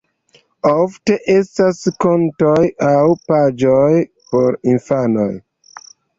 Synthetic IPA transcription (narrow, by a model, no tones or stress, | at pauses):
ofte̞ʔe̞stasko̞ntojawpad͡ʒoj | po̞ɾinfano̰j